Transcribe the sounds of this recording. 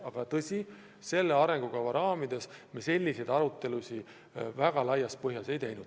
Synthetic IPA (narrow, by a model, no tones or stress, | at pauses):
ɑɡ̥ɑt̪ɤsʲi | se̞lːeɑɾe̞ŋɡ̥ukɑvɑɾɑːmid̪̥e̞smese̞lʲːise̞jd̪ɑɾut̪ːˑe̞lusʲi | væɡ̥ɑlɑjːɑspɤɦjɑse̞jt̪ejnud̪̥